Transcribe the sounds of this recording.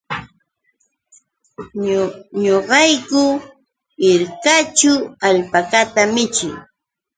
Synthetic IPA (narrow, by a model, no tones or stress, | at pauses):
ɲoɢɑjkʊ | ɪɾkat͡ʃʊaʎpakat̪amɪt͡ʃɪ̰j